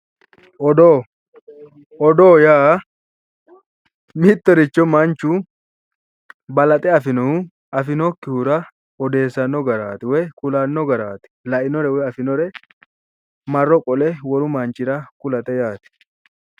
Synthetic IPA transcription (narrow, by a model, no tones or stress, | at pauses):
ɔd̪oː | ɔd̪oːjaː | mɪt̪ːɔɾɪt͡ʃːɔmɐnt͡ʃːu | bɐlɐt̪ʼɛɐfɪnɔ | ɐfɪnɔkːɪhʊɾɐ | ɔd̪e̞ːsːɐnːɔɡɐɾaːt̪ɪwɛkʊlɐnːɔɡɐɾaːt̪ɪ̥lɐʔɪnɔɾɛwɛɐfɪnɔɾɛ | mɐrːɔkʼɔlɛwɔɾʊmɐnt͡ʃːɪɾɐkʊlɐt̪ʼɛjaːt̪ɪ̥